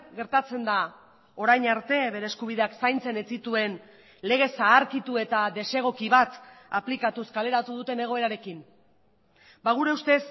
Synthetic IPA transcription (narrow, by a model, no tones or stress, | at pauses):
ɡe̞ɾt̪at͡se̞nd̪a | o̞ɾajɲaɾt̪e̞βe̞ɾe̞ːskuβ̞ið̞eaksajnt͡se̞ne̞t͡sit̪ue̞n | le̞ɣ̞e̞saːɾkit̪ue̞t̪aðe̞se̞ɣ̞o̞kiβat̪aplikat̪uskale̞ɾat̪uð̞ut̪e̞ne̞ɣ̞o̞e̞ɾaɾe̞kin | baɣ̞uɾe̞ust̪e̞s